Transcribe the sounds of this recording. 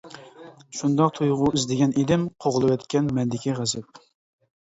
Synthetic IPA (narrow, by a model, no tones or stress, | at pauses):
ʃund̪ɑq̚t̪ʰujʁʊizd̪ɪɡʲɛned̪ɪmqʰoʁlˠɨwɛt̪kʲɛnmɛnd̪ɪkʲʰiʁæzɪp̚